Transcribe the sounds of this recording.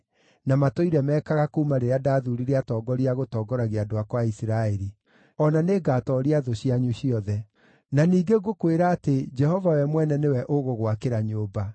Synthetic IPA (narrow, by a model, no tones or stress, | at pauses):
namatoiɾɛmɛːkaɣakouumaɾeɾeadaðuɾiɾeatɔːɡɔɾiaɣotɔːɡɔɾaɣeadoakwaisiɾaɛɾi | ɔnaneːɡaːtɔɾiaðoɕiaɲuɕiɔðɛ | naniːɡeɡokweɾaːted͡ʒɛhɔvawɛmwɛnɛnewɛʔoɣoɣwakeɾaɲoba